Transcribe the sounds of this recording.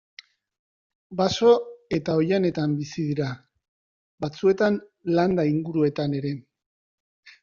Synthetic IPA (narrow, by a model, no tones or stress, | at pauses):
baso̞e̞t̪aojane̞t̪ambisiðiɾa | bat͡sue̞t̪anland̪aiŋɡuɾue̞t̪ane̞ɾe̞